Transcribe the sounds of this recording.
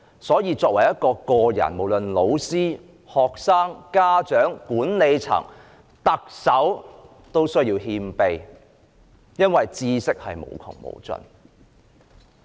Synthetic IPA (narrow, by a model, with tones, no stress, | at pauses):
sɔː˨˥jiː˨˧t͡sɔː˧k̚wɐ˨˩jɐ˥t̚kɔː˧kɔː˧jɐ̰˨˩nmo˨˩wlɵ˨nlo˨˧wsiː˥ | hɔː˨k̚saː˥ŋkaː˥t͡ʃœː˨˥ŋkuː˨˥nne˨˧jt͡sʰɐ̰˨˩ŋ | t̪ɐ˨k̚sɐ˨˥w | t̪o˥wsɵ˥ɥjiː˧wɦiː˧mpe˨˧j | jɐ˥nwɐ˨jt͡siː˧sɪ˥k̚hɐ˨jmo̰˨˩wkʰʊ̰˨˩ŋmo̰˨˧˩wt͡sɵ̰˨˧n